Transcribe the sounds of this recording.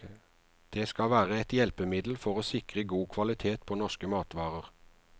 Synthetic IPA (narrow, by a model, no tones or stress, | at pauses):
d̪̥eːskɑʋæːʁəɛt̪jɛlpəmɪd̪l̩fɔʁoːsɪkʁəɡuːkʰʋɑlɪt̪ʰeːt̪pʰoːnɔʃkəmɑːt̪ʋɑːʁəʁ